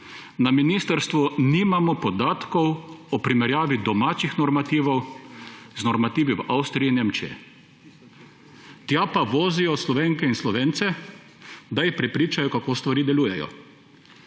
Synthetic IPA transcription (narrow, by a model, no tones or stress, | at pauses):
naminiːst̪əɾst̪ʋuniːmamɔpɔd̪aːt̪kɔwɔpɾimɛɾjaːʋid̪ɔmaːt͡ʃixnɔɾmat̪iːʋɐw | znɔɾmat̪iːʋiʋʔawst̪ɾijineːmt͡ʃijɛ̰ | t̪japaʋoːzijɔslɔʋeːŋkɛinslɔʋeːnt̪sɛ | d̪ajipɾɛpɾiːt͡ʃajɔkakoːst̪ʋaɾiːd̪ɛluːjɛjɔ̰